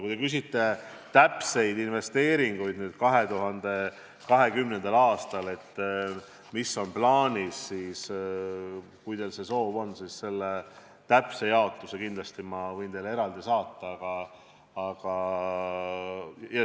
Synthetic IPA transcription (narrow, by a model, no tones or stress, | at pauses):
kujt̪e̞kys̬it̪ːe̞ | t̪æpse̞jd̪inve̞st̪e̞ːɾiŋɡ̥ujd̪nyːd̪̥̚kɑɦe̞t̪uɦɑnd̪e̞ | kɑɦe̞kymnend̪ɑlɑːst̪ɑle̞t̪ˑː | misːo̞nplɑːnʲisːiːs | kujd̪̥e̞lse̞so̞ːvo̞nːsisse̞lːe | t̪æpse̞jɑot̪lusekind̪lɑst̪imɑvɤjnt̪e̞le̞ɾɑld̪isɑːt̪ːˑɑɑɡ̥ɑ | ɑɡ̥ɑ | jɑ